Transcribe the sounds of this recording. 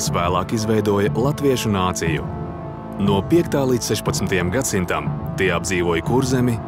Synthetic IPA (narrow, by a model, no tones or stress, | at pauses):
svæːlˠaːkizvɛjd̪uɔjɐlˠat̪viɛʃunaːt̪sijṵ | nuɔpiɛkt̪aːlˠiːt̪sɛʃpat̪smʲt̪ajamɡat̪sint̪amt̪iɛab̪̚ziːvuɔːjkuɾzɛmʲi